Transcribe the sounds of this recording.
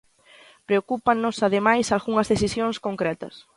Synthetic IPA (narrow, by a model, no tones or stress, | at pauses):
pɾeokupanʊsaðemajsalɣuŋɐzðeθisjõŋskoŋkɾɛt̪ɐ̰s